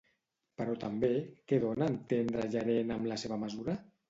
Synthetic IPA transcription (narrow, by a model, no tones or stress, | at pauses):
pəɾɔt̪ambekeðonant̪end̪ɾaʒaɾenamlaseβaməzuɾa